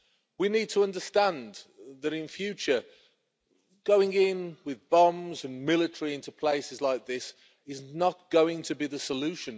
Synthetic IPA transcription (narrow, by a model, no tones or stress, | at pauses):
winid̚tʰəʌ̃ndəstæ̃nðəɾɪ̃nfjʉˑt͡ʃə | ɡ̥oʊɪ̃ŋɪ̃nwɪðbʌ̃mzə̃nmɪlɪtəɹiɪ̃ntupʰl̥eɪsɨzlaɪk̚ðɪs | ɪznət̚ɡ̥oʊɪ̃ŋtʰəbiðəsəlʉˑʃə̃n